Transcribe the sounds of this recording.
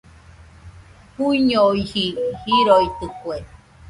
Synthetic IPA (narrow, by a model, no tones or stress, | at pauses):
huiɲoihihiɾoit̪ɨkue